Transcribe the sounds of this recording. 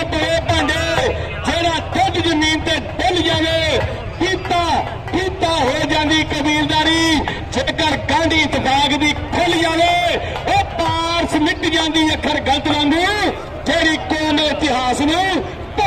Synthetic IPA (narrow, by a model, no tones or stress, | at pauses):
bəɽeːpəɳɖeː | d͡ʒeːɽaːkʊd͡ʒd͡ʒəmĩːnt̪eːd̪eld͡ʒaːʋeː | piːt̪aː | piːt̪aːɦoːid͡ʒãːnd̪iːkəbiːld̪aːɾiː | d͡ʒeːkəɾɡãːnd̪iːɪt̪bʱaːkd̪iːkʰold͡ʒaːʋeː | eːpaːɾsmɪkid͡ʒãːnd̪iːəkʰːəɾɡələt̪lõːnd̪iː | d͡ʒeːɽiːkoːnoːɪt̪ɪɦaːsnĩː | p